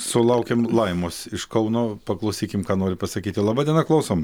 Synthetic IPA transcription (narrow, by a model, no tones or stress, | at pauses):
sʊlˠɐʊkʲeːmlˠɐɪmoːsɪʃkɐʊnoːpɐklˠɐʊsʲiːkʲɪmkɑːnoːɾʲɪpɐsɐkʲiːt̪ʲɪlˠɑbɑːd̪ʲiɛnɐklˠɐʊsoːm